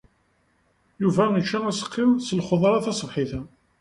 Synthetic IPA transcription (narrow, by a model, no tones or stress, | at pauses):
juvæmət͡ʃːææsə̥qʰːɪmsəlχoðˤɾˤɑθɑsˤəvħiθæ